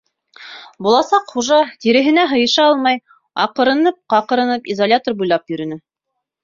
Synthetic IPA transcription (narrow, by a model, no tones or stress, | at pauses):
bulˠɑsɑqχuʒɑt̪iɾɘ̆ɦɘ̆næɦɤ̆jɤ̆ʃɑɑlˠmɑj | ɑ̰qɤ̆ɾɤ̆nɤp̚qɑqɤ̆ɾɤ̆nɤpizolʲat̪orbujlˠɑpjɵ̆ɾɵ̆nɘ